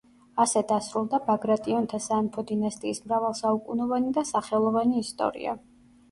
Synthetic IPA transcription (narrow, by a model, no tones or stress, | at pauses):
asɛd̪asɾulˠd̪abaɡɾat̪ʼiɔnt̪ʰasaːnpʰɔd̪inast̪ʼiːsmɾavalˠsaukʼunɔvanid̪asaχɛlˠɔvaniːst̪ʼɔ̰ɾḭa̰